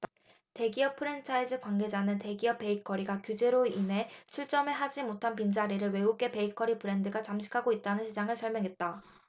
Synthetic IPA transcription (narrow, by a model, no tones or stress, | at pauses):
te̞ɡiʌpʰɯɾe̞nt͡ɕʰaid͡ʑɯkwaŋɡe̞d͡ʑanɯnte̞ɡiʌp͈ːe̞ikʰʌɾiɡakjud͡ʑe̞ɾoinɦe̞t͡ɕʰuɭt͡ɕ͈ʌmeɦad͡ʑimotʰanpind͡ʑaɾiɾɯɭwe̞ɡuk̚k͈e̞pe̞ikʰʌɾipɯɾe̞ndɯɡat͡ɕamɕʰi̥kʰaɡoit̚t͈anɯnɕʰid͡ʑaŋɯɭsʰʌɭmjʌŋɦe̞t̚t͈a